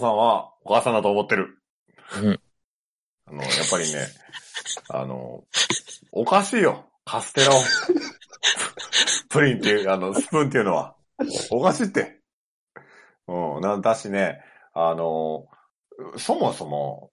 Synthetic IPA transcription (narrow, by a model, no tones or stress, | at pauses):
sãɰ̃βaokaːsãnd̪at̪oːmo̞t̪ːe̞ɾɯ̟ | ano̞̰japːaɾʲine̞̰ | a̰no̰ | okaɕiːjo̞ | kʰasɨ̥t̪e̞ɾao | pɯ̟ɾʲĩnt̪ːeɯ̟ano̞sɨ̥pɯ̃nt̪eiɯ̟no̞βa̰ | okaɕiːt̪ːe̞ | ɯ̟̃nãnd̪aɕine̞ | ano̞ | so̞mo̞so̞mo̞̰